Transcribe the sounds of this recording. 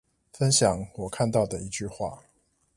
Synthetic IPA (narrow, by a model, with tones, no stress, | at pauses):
fə˦nɕjɑ˨˩˦ŋwɔ˨˩kʰa˥˧nt̪ɑ˥˩ʊd̪ə˩i˨˦t͡ɕy˥˧xwa̰˥˩˨